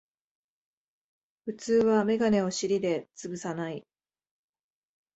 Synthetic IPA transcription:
ɸɯ̟t͡sɨːβame̞ɡane̞o̞ɕiɾʲid̪e̞t͡sɨbɯ̟sanai

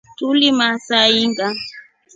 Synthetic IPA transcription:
tulimasaiŋɡa

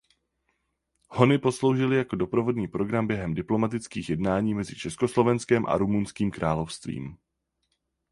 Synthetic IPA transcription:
ho̞nɪpo̞slo̞wʒɪlɪjako̞do̞pɾo̞vo̞dɲiːpɾo̞ɡɾambjɛɦɛmdɪplo̞mat̪ɪt͡skiːxjɛdnaːɲiːmɛzɪt͡ʃɛskoslo̞vɛnskɛmʔa̰ɾumunskiːmkɾaːlo̞fst̪vḭːm

